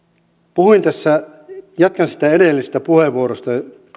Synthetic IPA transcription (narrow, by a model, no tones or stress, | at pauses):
puhuint̪æsːæ | jɑt̪̚kɑnsi̥t̪æedelːise̥st̪æpuheʋːuoɾost̪ɑ